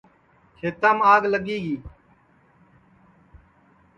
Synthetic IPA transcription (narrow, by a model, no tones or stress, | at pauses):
kʰeːt̪aːmaːɡləɠiːɡiː